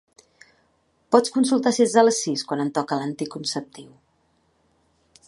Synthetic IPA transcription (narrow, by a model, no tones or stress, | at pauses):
pɔt͡skunsulˠt̪asenzðələsiskwanənt̪ɔkəlant̪ikunsəp̚t̪iw